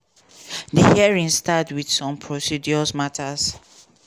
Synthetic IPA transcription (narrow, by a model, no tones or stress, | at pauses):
dəhiɹĩŋstatwidsɔ̃mpʰɹosid͡ʒɔsmatʰas